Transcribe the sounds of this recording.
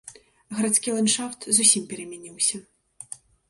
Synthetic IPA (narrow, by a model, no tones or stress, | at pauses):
ɣɐɾat̪skʲilˠanʂaft̪zusʲimpʲɛɾɐmʲɛnʲiwsʲɐ